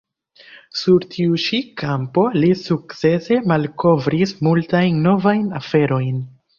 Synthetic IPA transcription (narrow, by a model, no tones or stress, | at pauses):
suɾtʰiuʃikʰampo̞lisuk̚t͡se̞se̞malko̞vɾismultajnːo̞vajnafe̞ɾo̞jn